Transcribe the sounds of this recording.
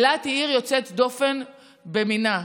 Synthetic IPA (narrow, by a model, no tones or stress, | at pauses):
lat̪iiʁjo̞t͡set̪d̪o̞fe̞n | bemina